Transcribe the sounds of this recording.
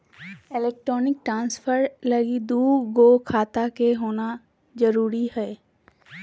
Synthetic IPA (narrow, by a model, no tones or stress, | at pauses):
ɪleːk̚ʈɾɔːnɪk̚ʈɾãːnspʰəɾləɡid̪uːɡoːkʰaːt̪akeɦoːna | d͡ʒəɾuːɾihɛː